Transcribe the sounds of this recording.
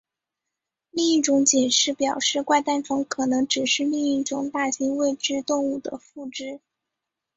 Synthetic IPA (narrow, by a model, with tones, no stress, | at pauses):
li˥˧i˥˩ʈ͡ʂʊ˧˥ŋt͡ɕɛ˨˩nʂɻ̩˥˩pjɑ˨˩ʊʂɻ̩˥˧kwa˥˧ɪt̪a˥˩nʈ͡ʂʰɤ˧˥ŋkʰɤ˨˩nɤ˧˥ŋʈ͡ʂɻ̩˨˩ʂɻ̩˥˧li˥˧ŋi˥˩ʈ͡ʂʊ˨˩˦ŋt̪a˥˩ɕi˧˥ŋwe˥˧ɪʈ͡ʂɻ̩˥˧t̪ʊ˥˧ŋu˥˩d̪ə̰˩fu˥˩ʈ͡ʂɻ̩˥˩